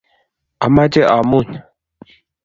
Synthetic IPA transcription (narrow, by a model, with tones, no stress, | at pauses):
a˨ma˦d͡ʒe˦ʔa˨mu˦˨n